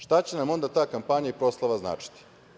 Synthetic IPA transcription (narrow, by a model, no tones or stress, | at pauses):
ʃt̪at͡ɕe̞namo̞nd̪at̪aːkampaɲaipɾo̞slˠaʋazna̰ːt͡ʃi̥t̪i̥